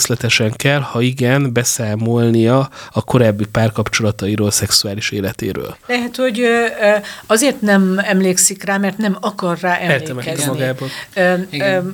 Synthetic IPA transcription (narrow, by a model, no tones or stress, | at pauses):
slɛt̪ɛʃɛŋkɛlhɒiɡɛnbɛsaːmo̞lnijɒɒko̞ɾaːbːipaːrkɒpt͡ʃo̞lɒt̪ɒiɾoːlsɛksuaːliʃeːlɛt̪ḛːɾø̰ːllɛɦɛt̪ho̞ɟ | ɒzeːrt̪nɛmɛmleːksikraːmɛrt̪nɛmɒkɒrːaːʔɛɛrtlːɛmɛɛzɛmɒɡaːbonː